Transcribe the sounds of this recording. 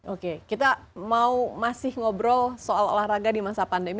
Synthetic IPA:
okekit̪amaumasɪhŋɔbɾɔlsoalo̰lahɾaɡadimasapandemi

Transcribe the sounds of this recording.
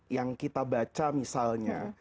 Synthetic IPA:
jaŋkit̪abat͡ʃamisalɲa

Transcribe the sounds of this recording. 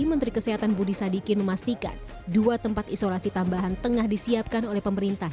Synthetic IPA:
imənt̪ɾikəseɦat̪anbudisadikɪnməmast̪ika̰n | duat̪əmpat̪isolasit̪ambaɦant̪əŋahdisiap̚kanolɛhpəməɾint̪ah

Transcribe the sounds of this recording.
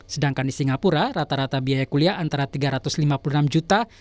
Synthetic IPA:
sədaŋkandisiŋapuɾaɾat̪aɾat̪abiajakuliaʔant̪aɾat̪iɡaɾat̪ʊslimapulunamd͡ʒut̪a

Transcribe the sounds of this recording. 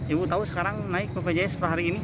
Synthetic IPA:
ibut̪ausə̥kaɾaŋnaɪk̚pəpɛd͡ʒajasəpɾaɦaɾiːni

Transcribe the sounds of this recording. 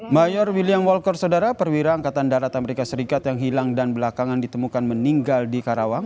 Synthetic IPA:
majɔrwiliamwɔlkɔrsawdaɾapərwiɾaːŋkat̪andaɾat̪aməɾekasəɾikat̪jaŋɦilaŋdanbəlakaŋandit̪əmukanməniŋɡaldikaɾawaŋ

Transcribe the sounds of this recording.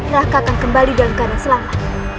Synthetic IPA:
ɾakaːkankəmbalidalamkadaŋsəlama

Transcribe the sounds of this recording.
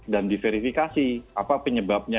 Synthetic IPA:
dandifeɾifikasiapapəɲəbap̚ɲa

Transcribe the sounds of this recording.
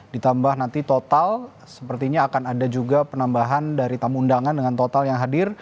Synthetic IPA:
dit̪ambahnant̪it̪ot̪al | səpərt̪iɲaːkanadad͡ʒuɡapənambaɦandaɾit̪amundaŋandəŋant̪ot̪aljaŋɦadɪr

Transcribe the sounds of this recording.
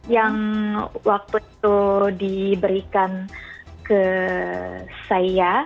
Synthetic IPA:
jaŋwak̚t̪uit̪udibəɾikankə | saja

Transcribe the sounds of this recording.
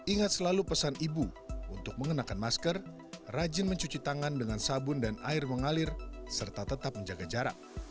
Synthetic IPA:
ʔiŋat̪̚səlalupəsanibuunt̪ʊk̚məŋənakanmaskər | rad͡ʒɪnməɲt͡ʃut͡ʃit̪aŋandəŋansabʊndanaɪrməŋalɪrsərt̪at̪ət̪ap̚məɲd͡ʒaɡad͡ʒaɾa̰k̚

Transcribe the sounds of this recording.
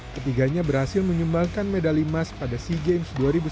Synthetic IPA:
kət̪iɡaɲabərhasɪlməɲumbalkanmedalimaspadasiɡemsduaɾibu

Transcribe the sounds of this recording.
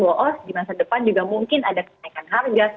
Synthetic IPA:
ɔʔɔdimasadəpand͡ʒuɡamuŋkɪnadakənaikanɦarɡa

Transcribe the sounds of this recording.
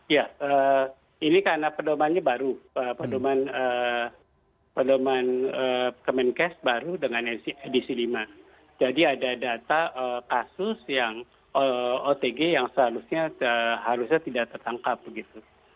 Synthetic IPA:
jaə | inikaɾənapədomanɲabaɾuəpədomanə | pədomanəkəmɛnkɛsbaɾudəŋanesiedisilima | d͡ʒadiadadat̪aʔəkasʊsjaŋ | oot̪eɡejaŋsəɦaɾusɲaəɦaɾusɲat̪idakt̪ərt̪aŋkap̚ɡit̪u

